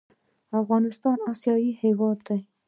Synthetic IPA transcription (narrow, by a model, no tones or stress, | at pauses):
afɣɑnɪst̪ɑnɑsjɑjihewɑd̪ːa